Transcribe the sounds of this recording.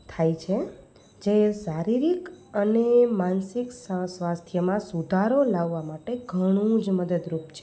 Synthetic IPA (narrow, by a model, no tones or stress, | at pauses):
t̪ʰajt͡ʃʰe | d͡ʒesaɾiɾikənemansiksəsʋast̪ʰjəmãsud̪ʱaɾolaʋːamaʈeɡʱəɽ̃ũd͡ʒməd̪əd̪ɾupt͡ʃʰe